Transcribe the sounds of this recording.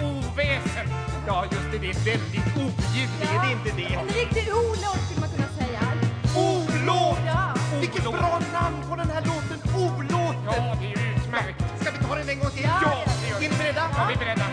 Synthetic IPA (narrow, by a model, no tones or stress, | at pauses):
uːvɛːsə | jɑːjɵst̪ɛd̪ɛvɛld̪ɪt̪ujʏvlɪɡəd̪ɛɪnt̪əd̪ɛnɪk̚ːd̪ɪuːloːsɪlmat̪kʰɵnːasɛjːauloː | vɪkːət̪bɾɑːnamnpʰɔd̪ɛnhæːɭoːt̪ənuːloːt̪ənɪɾɪsmæɾkskad̪ɪt̪ʰɑːɾɛnɛnɡɔŋt̪ʰɪljɑːɪnbɛɾɛd̪ːajɑb̪ɪbɛɾɛd̪ːa